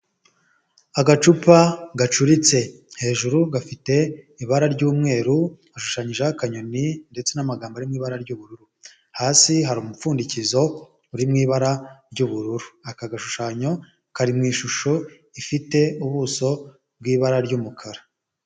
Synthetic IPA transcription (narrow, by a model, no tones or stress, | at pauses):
aɡat͡ʃupaɡat͡ʃuɾit͡se̞ | he̞ːʒuɾuɡafite̞iβaɾaɾɟuːmŋe̞ːɾu | aʃu̥ʃaɲiʒakaɲo̞ninde̞t͡se̞namaɡaːmbaɾimŋiːβaɾaɾɟuːβuɾuɾu | haːsiɦaɾuːmufuːndicizo̞ | uɾimŋiːβaɾaɾɟuβuɾuɾuakaɡaʃuʃaɲo̞ | kaɾimŋiːʃuʃo̞ | ifite̞uβuːso̞ | b̚ɡiːβaɾaɾɟuːmukʰaɾa